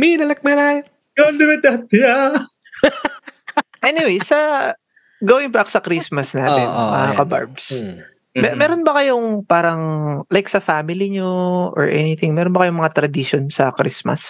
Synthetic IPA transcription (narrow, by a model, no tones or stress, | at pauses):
minɐlɐk̚mɐla | jond̪ɪmɐt̪at̪ja | ʔɛːnɪwejsɐ | ɡoːwɪŋpɐʔɐksɐkɾismɐsnaːt̪ɛ̰nmɐ̰akɐba̰ɹbs | mɛmɛːɾonbɐkɐjoŋpaːɾɐŋlajksɐfamɪliɲoʔɔ̰ɹʔɛ̰nɪθɪŋmɛːɾonbɐkɐjomɐŋat̪ɾɐd̪iʃonsɐkɾismɐ̰s